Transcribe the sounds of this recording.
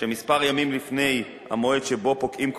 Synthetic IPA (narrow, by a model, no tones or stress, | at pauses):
ʃemispaʁjamimlifne̞j | ha̰moedʃebo̞pokʔimk